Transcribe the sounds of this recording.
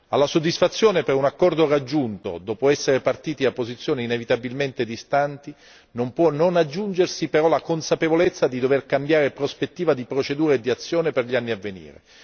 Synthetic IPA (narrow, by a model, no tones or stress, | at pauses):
a̰lːasod̪ːisfat̪sːjoːnepeɾunakːɔrd̪orad͡ʒːunt̪o̰d̪ɔːpoɛsːeɾepart̪iːt̪iapːozit̪sːjoːneinevit̪abilment̪ed̪ist̪ant̪i | nompwɔnonad͡ʒːund͡ʒersipeɾɔlakonsapevolet̪sːad̪id̪overkambjaːɾepɾospet̪ːiːvad̪ipɾot͡ʃed̪uːɾaed̪ːiat̪sːjoːneperʎianːiavːenḭːɾḛ